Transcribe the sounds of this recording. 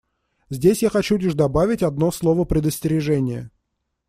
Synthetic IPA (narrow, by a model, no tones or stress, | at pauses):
zʲdʲesʲjaxɐt͡ɕudʲɪʐd̪ɐbavʲɪtʲɐd̪no̞slˠo̞vəpɾʲɪd̪əsʲtʲɪɾʲɪʐɛnʲɪjə̰